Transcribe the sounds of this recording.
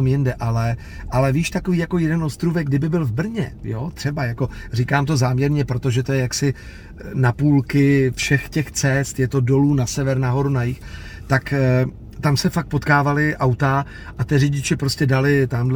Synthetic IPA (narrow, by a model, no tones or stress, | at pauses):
mjɪndɛʔalɛ | ʔalɛviːʃt̪ako̞viːjako̞jɛdɛnʔo̞st̪ɾuvɛɡ̚ɡdɪbɪbɪlvbr̩ɲɛ̰jot̪r̥ɛbajako̞r̝ikaːmt̪o̞zaːmɲɛɾɲɛpɾo̞t̪o̞ʒɛt̪o̞jɛjaksɪ | napuːlkɪfʃɛxcɛxt͡sɛst̪jɛt̪o̞do̞luːnasɛvɛɾnaɦo̞ɾunajɪxt̪ak | t̪amsɛfak̚t̪̚po̞t̪kaːvalɪʔawt̪a | ʔat̪ɪrɪɟɪt͡ʃɛpɾo̞scɛdalɪt̪amdl